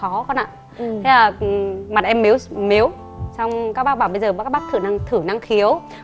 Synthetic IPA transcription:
ɔ˨˦xɔ˧nʔa̰ː˧˨ | t̪ʰa˨˧˦jlaː˨˩ma˨˩t̚ʔɛ˧mːe˨˦wme˨˦w | sa˧wŋ͡mkaː˦˥k̚ɓaː˦˥ɓaː˧˩wɓə˧jzəː˨˩˨kaː˦˥ɓa˦˥k̚t̪ʰɨ˧˩na˧ŋt̪ʰɨ˧˩na˧ŋxi˨˦əw

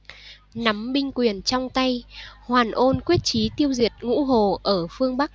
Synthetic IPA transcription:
na˨˦mɓï˧ŋ̟kwi˨˩ənt͡ɕɔ˧wŋ͡mt̪a˧jhwaː˨˩nʔo˧nkwi˦˥ət̚t͡ɕi˨˦t̪i˧əwzi˨˩ət̚ŋṵ˧˥ɦo˨˩ʔəː˧˩fɨ˧əŋɓa˦˥k̚

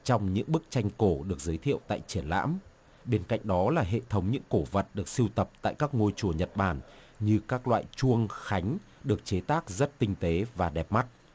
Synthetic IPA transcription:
t͡ɕɔ˧wŋ͡mɲɨ̰˧˥ŋɓɨ˦˥k̚t͡ɕa˧jŋ̟ko˧˩ɗɨ˨˩ək̚zəː˨˦jt̪ʰḭ˧˨əwt̪a̰ː˧˨jt͡ɕi˧˩ənla̰ː˧˥m | ɓe˧nka̰˧˨jŋ̟ɗɔ˨˦laː˨˩ɦḛ˧˨t̪ʰə˨˦wŋ͡mɲɨ̰˧˥ŋko˧˩və˨˩t̚ɗɨ˨˩ək̚si˧wt̪ə˨˩p̚t̪a̰ː˧˨jkaː˦˥k̚ŋo˧jt͡ɕu˧˩əɲə˨˩t̚ɓaː˧˩n | ɲɨ˧kaː˦˥k̚lwa̰ː˧˨jt͡ɕu˧əŋxa˨˦jŋ̟ɗɨ˨˩ək̚t͡ɕe˨˦t̪aː˦˥k̚zə˦˥t̚t̪ï˧ŋ̟t̪e˨˦vaː˨˩ɗɛ˨˩p̚ma˦˥t̚

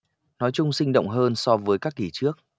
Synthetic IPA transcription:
nɔ˨˦jt͡ɕʊ˧ŋ͡msï˧ŋ̟ɗo̰˧˨wŋ͡mɦəː˧nsɔ˧vəː˨˦jkaː˦˥k̚ːi˧˩t͡ɕɨ˦˥ək̚

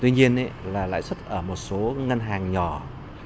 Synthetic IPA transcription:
t̪wi˧ɲi˧ənʔɛ̰˧˥laː˨˩la̰ː˧˥jswə˦˥t̚ʔəː˧˩mo˨˩t̚so˨˦ŋə˧nɦaː˨˩ŋɲɔ˧˨˩

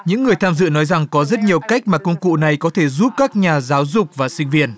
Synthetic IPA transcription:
ɲɨ̰˧˥ŋːɨ˨˩əjt̪ʰaː˧mzɨ̰˧˨nɔ˨˦jza˨˩ŋkɔ˨˦zə˦˥t̚ɲi˨˩əwka˦˥jk̟̚maː˨˩kʊ˧ŋ͡mkṵ˧˨na˨˩jkɔ˨˦t̪ʰe˧˩zu˦˥p̚kaː˦˥k̚ɲaː˨˩zaː˨˦wzʊ˨˩k͡p̚vaː˨˩sï˧ŋ̟vi˧ən

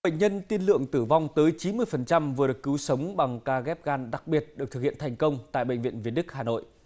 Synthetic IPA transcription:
ə̰˧˨jŋ̟ɲə˧nt̪i˧nlɨ̰˧˨əŋt̪ɨ˧˩va˧wŋ͡mt̪əː˨˦jt͡ɕi˨˦nmɨ˧əjfə˨˩nt͡ɕa˧mvɨ˨˩əɗɨ˨˩ək̚kɨ˨˦wsə˨˦wŋ͡mɓa˨˩ŋkaː˧ɣɛ˦˥p̚ɣaː˧nɗa˨˩k̚ɓi˨˩ət̚ɗɨ˨˩k̚t̪ɨ˨k̚hi˧˨ənt̪ʰjŋ̟kə˧wŋ͡mt̪a̰ː˧˨jɓə̰˧˨ŋ̟vḭ˧˨ənvi˧˩ənɗɨ˦˥k̚haː˨˩no̰˧˨jʔ

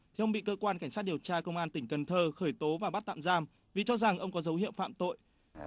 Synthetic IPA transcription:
t̪ʰi˧˩ʔə˧wŋ͡mɓḭ˧˨kəː˧kwaː˧nka˧˩ŋ̟saː˦˥t̚ɗi˨˩əwt͡ɕaː˧kə˧wŋ͡mʔaː˧nt̪ï˧˩ŋ̟kə˨˩nt̪ʰəː˧xəː˧˩jt̪o˨˦vaː˨˩ɓa˦˥t̚t̪a̰ː˧˨mzaː˧m | vi˨˩t͡ɕɔ˧za˨˩ŋʔə˧wŋ͡mkɔ˨˦zə˨˦whḭ˧˨əwfa̰ː˧˨mt̪o̰˧˨j

